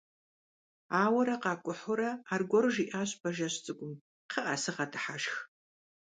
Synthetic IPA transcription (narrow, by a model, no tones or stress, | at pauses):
aːwɐɾɐqɑːkʷʼʊħʊɾɐaːrɡʷɔrʒiʔaːɕʼbɐʒɐɕt͡sʼɨɡʷʼʊm | qʰəʔɐsɨʁɐdʰɨħaʃx